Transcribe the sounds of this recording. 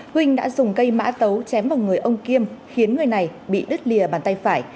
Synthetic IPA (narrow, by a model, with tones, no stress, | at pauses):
hwï˧ŋ̟ɗa̰ː˧˥zʊ˨˩ŋ͡mkə˧jma̰ː˧˥t̪ə˨˦wt͡ɕɛ˨˦mvaː˨˩wŋɨ˨˩əjʔə˧wŋ͡mki˧əmxi˨˦ənŋɨ˨˩əjna˨˩jɓḭ˧˨ɗɨ˦˥t̚li˨˩əɓaː˨˩nt̪a˧jfaː˧˩j